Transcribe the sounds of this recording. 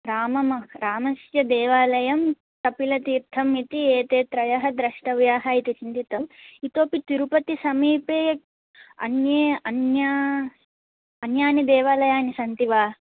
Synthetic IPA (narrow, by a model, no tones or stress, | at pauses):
ɾaːmɐmɐɾaːmɐsjɐd̪eːʋaːlɐjɐm | t̪ɐpilɐt̪iːɾt̪ʰɐmit̪ieːt̪eːt̪ɾɐjɐɦɐd̪ɾɐʂʈɐʋjaːɦɐit̪it͡ʃint̪it̪ɐit̪oːpit̪iɾupɐt̪isɐmiːpeː | ɐ̰njeːɐnjaː | ɐnjaːnid̪eːʋaːlɐjaːnisɐnt̪iʋaː